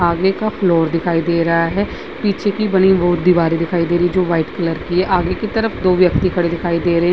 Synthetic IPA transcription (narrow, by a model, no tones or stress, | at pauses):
aːɡekapʰloːɾd̪ɪkʰaːid̪eːɾɐɦaɦɛː | piːt͡ʃʰekibɐniʋoːɾd̪iʋaːɾid̪ɪkʰaːid̪eːɾiid͡ʒoːʋaːɪʈkələɾkiɦɛʔaːɡekit̪əɾəfʰd̪oːʋjək̚t̪ikʰɐɽed̪ɪkʰaːid̪eːɾɐɦ